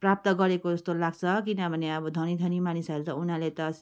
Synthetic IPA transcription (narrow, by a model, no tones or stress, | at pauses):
prap̚t̪ʌɡʌɾekod͡zʌst̪olaɡt͡sʰʌkinʌbʱʌneʌbʌd̪ʱʌnid̪ʱʌnimanisalt̪ʌunalet̪ʌ